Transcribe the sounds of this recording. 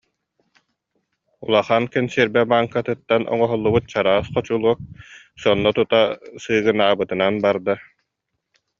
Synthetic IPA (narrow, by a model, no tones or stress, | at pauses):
ṵlˠaχaːnkɛnsiɾbɛbaːŋkat̪ɯt̪ːanʔɔ̰ŋɔɦɔlˠːubɯt̪̚t͡ɕaɾaːsχɔt͡ɕulˠuɔk̚ | sɔnːɔt̪ut̪asɯːɡɯnaːbɯt̪ɯnanbaɾd̪a